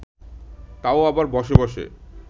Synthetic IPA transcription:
t̪aoabaɾbɔʃebɔʃḛ

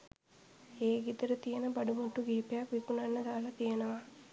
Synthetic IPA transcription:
eːɡit̪ɐɾɐt̪ijɐnɐbɐɖumuʈːuɡeːpjaːkʋikunɐnːɐd̪aːlɐt̪ijɐnɐʋa

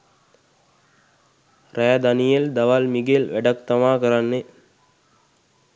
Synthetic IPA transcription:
rɛːd̪anijeld̪aʋalmiɡelʋæɖak̚t̪ɐʋaːkəɾanːe

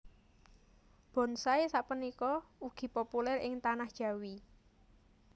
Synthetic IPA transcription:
b̥ɔ̤nsaesaʔpənikɔuɡ̥i̤populɛrɪŋt̪anahd̥ʒ̥ä̤wi

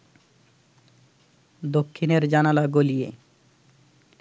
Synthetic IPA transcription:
d̪okʰːineɾd͡ʑanalaɡolije

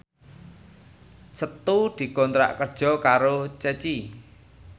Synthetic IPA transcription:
sət̪ud̪̥i̤kɔnt̪ɾa̰ʔkərd̥ʒ̥ɔ̤kaɾot͡ʃət͡ʃi

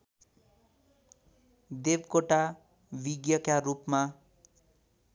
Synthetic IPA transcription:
d̪ebkoʈa | biɡjʌkaɾupma

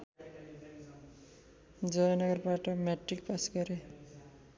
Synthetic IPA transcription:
d͡zʌjʌnʌɡʌrbaʈʌmaʈrik̚pasɡʌɾe

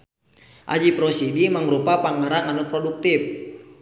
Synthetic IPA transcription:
ʔa̰d͡ʒipɾɔsidiməŋɾupapaŋaɾaŋanupɾɔduk̚t̪ɪf

